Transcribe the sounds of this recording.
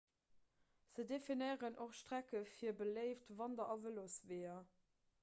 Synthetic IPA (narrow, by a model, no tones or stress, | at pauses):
z̥ədefinəɪʁənʔoχʃtʁ̥ækəfiːɐbələɪftvɑndɐʔɑvəlosveːɐ